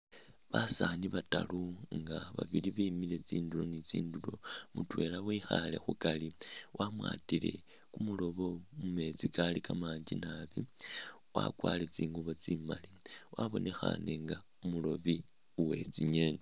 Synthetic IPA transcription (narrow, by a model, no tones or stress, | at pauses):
βasaniβataluŋɡaβa̰βiliβiːmile̞t͡siːndulo̞nit͡siːndulo̞mutwe̞lawiːxale̞̰xukaliwʔamwa̰ːtile̞̰ | kumulo̞βo̞mume̞t͡sikalikamaːɲd͡ʒinaβi | wa̰kwale̞t͡siːŋɡuβo̞t͡simaliwʔaβo̞nʔe̞xa̰ne̞ŋɡa | umulo̞βi | uwe̞t͡siɲe̞ne